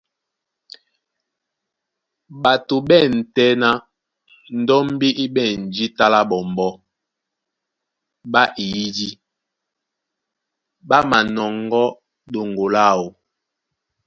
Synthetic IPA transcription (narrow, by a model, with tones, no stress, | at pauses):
ɓa˨to˨ɓɛ˦˨n̩˨tɛ˦na˦ | n̩˨dɔ˦m˦bi˦ʔi˦ɓɛ˦˨n̩˨d͡ʒi˦ta˦la˦ɓɔ˨m˨bɔ˦ | ba˦ʔi˨i˦di˦ | ɓa˦ma˨nɔ˨ŋɡɔ˦ | ɗo˨ŋɡo˨la˦˨wo˨